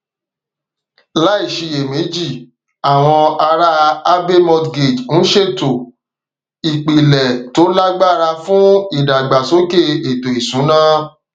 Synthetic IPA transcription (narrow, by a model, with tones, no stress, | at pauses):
la˦i˦˨ʃi˧je˨mẽ˨˦d͡ʒi˦˨ | a˨w̃ɔ̃˧a˧ɾa˧a˦be˦mɔ̃˧dɡe˨d͡ʒn̩˦ʃe˦˨to˨ | i˨k͡pi˨lɛ˨to˨˦la˦ɡ͡ba˦˨ɾa˧fũ˦i˦˨da˨ɡ͡ba˨so˨˦ke˦˨e˨to˨i˨sũ˨˦nãː˦